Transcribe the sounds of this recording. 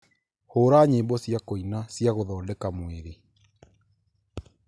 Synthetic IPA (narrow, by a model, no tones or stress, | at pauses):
hoːɾaːɲeːbɔsjakoinasjaɣoðɔːndɛkamweɾe